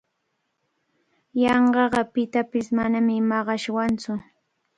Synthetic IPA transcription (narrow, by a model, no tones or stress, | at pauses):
jɑɴɢɑɢɑpɪt̪apɪsmanamɪmɑɢɑʃwant͡sʊ